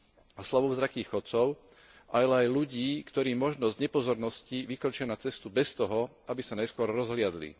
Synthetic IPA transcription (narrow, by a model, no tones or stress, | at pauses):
aslaʋɔvzɾakiːɣxɔt̪t͡sɔʊ | ʔaalɛajluɟiːkt̪ɔɾiːmɔʒnɔzɟɲɛpɔzɔɾnɔsciʋikɾɔt͡ʃɪanat͡sɛst̪ubɛst̪ɔɦɔ | abisanajskʊɔɾɾɔzɦlɪad̪lḭ